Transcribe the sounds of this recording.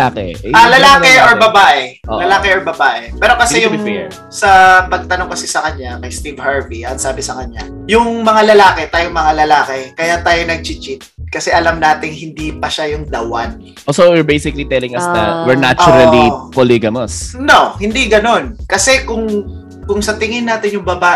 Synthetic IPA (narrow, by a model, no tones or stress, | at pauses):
aːkɛ̰ʔalɐlaːkɛʔoɹbɐbaːʔɛlɐlaːkɛʔoɹbɐbaːʔɛpɛːɾokɐsɛjʊŋfɛɹ | sɐpɐɡ̚t̪ɐnoŋkɐsɛsɐkɐɲakɐjst̪ivhaɹviʔɐnsaːbɛsɐkɐɲa̰jʊŋmɐŋalɐlaːkɛt̪aːjoŋmɐŋalɐlaːkɛkɐjat̪aːjonɐɡ̚t͡ʃɪt͡ʃɪt̪̚kɐsɛʔɐlamnaːt̪ɪŋɦɪnd̪ipɐʃajʊŋd̪ɐwɐn | ʔosowɪɹbejsɪkɐlit̪ɛlɪ̃ŋɐsnɐ̰wɛɹnat͡ʃːʊɾɐlipoliɡɐnosnohɪnd̪iɡɐno̞nkɐsɛkʊŋ | kʊŋsɐt̪ɪŋɪnaːt̪ɪnjʊŋbɐbaːʔ